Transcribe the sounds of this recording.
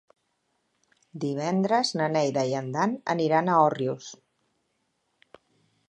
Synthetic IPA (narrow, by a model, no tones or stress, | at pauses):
d̪iβ̞ɛnd̪ɾəznənɛjðəiənd̪anə̰niɾanəɔrjus